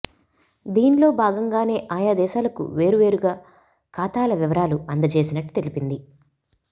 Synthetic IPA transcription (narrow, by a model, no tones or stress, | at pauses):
d̪iːnlo̞ːbʱaːɡɐŋɡaːne̞ːʔaːjaːd̪ɛːʃaːlɐkṵʋe̞ːɾuʋe̞ːɾuɡaː | kaːt̪aːlɐʋiʋɐɾaːluɐnd̪ɐt͡ʃe̞ːsinɐʈːu̥t̪e̞lipind̪i